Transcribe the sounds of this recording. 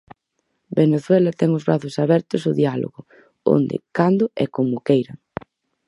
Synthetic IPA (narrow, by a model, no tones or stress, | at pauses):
beneθwɛlɐt̪ɛŋʊzβɾaθʊsaβɛɾt̪ʊsʊðialo̰ɣʊ | o̰nd̪ɪ̰kand̪ʊʔɛkomʊkejɾɐ